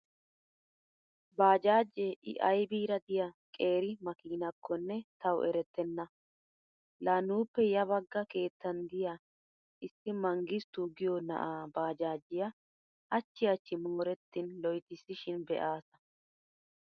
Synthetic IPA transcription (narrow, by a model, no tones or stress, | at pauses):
baːd͡ʒaːd͡ʒːeʔɪ̰ʔɐjbiːɾɐd̪ɪjɐkʼe̞ːɾɪmɐkiːnɐkʰːɔnːɛt̪ɐwʔɛɾɛt̪ːɛnːɐ | laːnuːpːɛjɐβɐɡːɐke̞ːt̪ːɐnd̪ɪja | ʔɪsːɪmɐŋɡɪst̪uɡɪjɔnɐ̰ʔaːbaːd͡ʒaːd͡ʒːɪjɐ | ʔɐt͡ʃːɪjɐt͡ʃːɪmoːɾɛt̪ːɪnlɔjt̪ɪsɪʃɪnbɛ̰ʔaːsɐ̥